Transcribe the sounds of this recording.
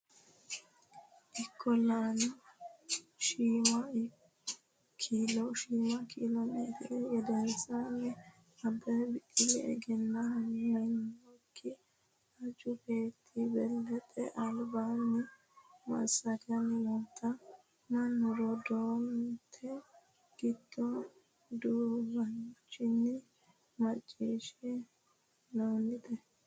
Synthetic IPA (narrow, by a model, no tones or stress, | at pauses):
ʔɪkʰːɔlanɐ | ʃiːmɐ | kʰiːlɔʃiːmɐkʰiːlɐmɛd̪ɪʔɛjɛd̪ɛnsanːɛ | ɐd̪ɐjbɪtːɪlːɛɛ̰ɡɛnːɐhɐŋɐnɔkːɪ | ɐd͡ʒʊbeːt̪ʰːibɛlːɛt̪ʼɛ̰ʔɐlbanːɪ | mɐ̰sɐtɪjɐnːɪmɔt̪ʰːɐ | mɐnːʊɾɔd̪ont̪ʰɛ | ɡ̥ɪd̪ːɔ | d̪uːbɐnt͡ʃːɪnːɪ | mɐt͡ʃʼːiːʃɛ | nonːɪt̪ɛ